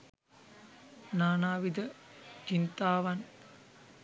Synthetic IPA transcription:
naːnaːʋid̪ət͡ʃint̪aːʋɐn

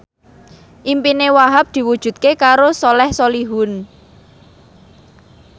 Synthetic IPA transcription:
ʔimpinewaɦap̚d̪̥i̤wud̥ʒ̥ṳt̪̚kekaɾosolɛhsoliɦun

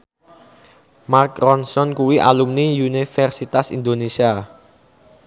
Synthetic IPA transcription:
markrɔnsɔnkuwiʔa̰lumniunifɛrsit̪asḭnd̪onesia

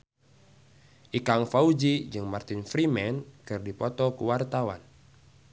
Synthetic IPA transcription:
ʔikaŋfaud͡ʒid͡ʒɨŋmart̪infɾimɛnkɨrdipɔt̪ɔkuwart̪awa̰n

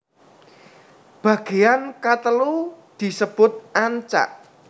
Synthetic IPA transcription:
b̥ä̤ɡ̥e̤jankat̪əlud̪̥i̤səb̥ʊt̪̚ʔaɲt͡ʃa̰ʔ

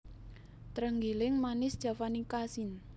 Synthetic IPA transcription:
t̪ɾəŋɡilɪŋmanɪsd̥ʒ̥a̤fanikasin

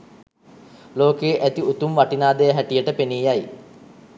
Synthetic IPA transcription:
loːkeːʔæt̪iut̪umʋaʈinaːd̪ejəɦæʈijəʈəpeniːjaj

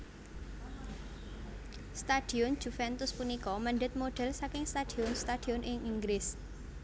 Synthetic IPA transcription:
st̪ad̪̥i̤ʊn̥d͡ʒ̥ufɛnt̪ʊspunikɔməɳɖət̪̚moɖ̥ɛlsakɪŋst̪ad̪̥iʊnst̪ad̪̥iʊnʔɪŋiŋɡlɪs

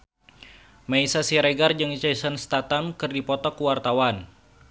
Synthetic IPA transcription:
maisasiɾeɡard͡ʒəŋt͡ʃɛsənst̪at̪amkɨrdipɔt̪ɔkuwart̪awan

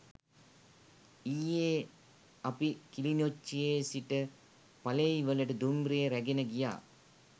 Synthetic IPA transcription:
ijeː | ɐpikilinot͡ʃːijeːsiʈə | pɐlejʋələʈəd̪umbɾeeɾæɡenəɡija̰ː

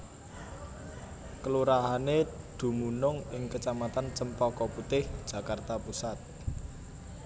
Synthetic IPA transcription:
kəluɾaɦaned̪̥ṳmunʊŋɪŋkət͡ʃamat̪ant͡ʃəmpɔkɔput̪ɪhd̥ʒ̥ä̤kart̪apusat̪̚

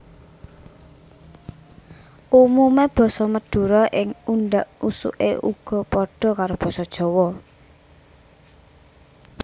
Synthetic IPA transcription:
ʔumumeb̥ɔ̤sɔməd̪̥ṳɾɔʔɪŋunɖaʔusṵʔḛʔuɡ̥ɔ̤pɔɖ̥ɔ̤kaɾob̥ɔ̤sɔd̥ʒ̥ɔ̤wɔ

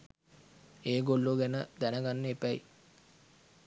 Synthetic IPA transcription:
eːɡolːoɡænəd̪ænəɡanːəepæj

